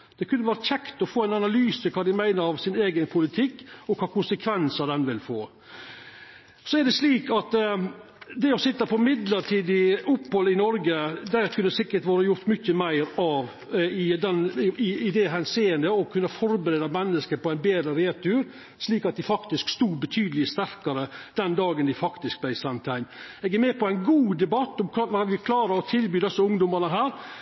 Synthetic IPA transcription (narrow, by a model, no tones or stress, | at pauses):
d̪̥ɛkʰʉnːəʋæːɾəçɛkt̪ɔfoːæɪnɑnɑlyːsəkʰɑːd̪ɪmæɪnəɾɑʋsɪneːɡənpʰʊlɪt̪ʰɪkːɔkʰɑːkʊnsəkʰʋɛnsəd̪ɛnʋɪlfoː | sɔæɖɛsliːkɑt̪ | d̪ɛɔsɪt̪ːɑpʰɔmɪd̪ləʈʰiːd̪ɪʊpːhɔlɪnɔɾɡəd̪æɾkʰʉnd̪sɪkːəʈʋɑːɾəjʊɾt̪mʏçːəmæɪɾɑʋ | ɪd̪ɛnɪɪd̪ɛɦænsiːənd̪əɔkʰʉnːɑfɔɾbəɾeːd̪ɑmɛnːəskəɾpɔæɪnbeːd̪ɾəɾeːɾt̪ʰʉːɾ | ʂliːkɑt̪̚d̪ɪfɑkt̪ɪskst̪uːbət̪ʰyːd̪əlɪəst̪æɾkɑɾəd̪̥ɛnd̪ɑːɡənd̪ɪfɑkt̪ɪsk̚b̥læɪsɑnt̪ʰæɪnɛːɡæɾmɛːpɔæɪnɡuːd̪ɛbɑt̪ːɔmʰʋɑʋɪkʰlɑːɾɑɾɔt̪ʰɪlbyːd̪ɛsːəʊŋd̪ʊmɑɾnəɦæːɾ